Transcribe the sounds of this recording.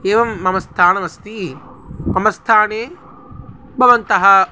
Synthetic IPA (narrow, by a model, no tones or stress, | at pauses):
eːʋɐmːɐmɐst̪ʰaːnɐmɐst̪i | mɐmɐst̪ʰaːneː | bʱɐʋɐnt̪ɐɦɐ